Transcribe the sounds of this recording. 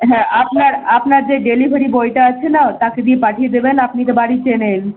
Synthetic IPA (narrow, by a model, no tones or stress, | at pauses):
ɦɛ̃ʔapnaɾapnaɾd͡ʑeɖelibʱeɾibojʈaat͡ɕʰenat̪aked̪iepaʈʰijed̪ebenapnik̪ebaɽit͡ɕenen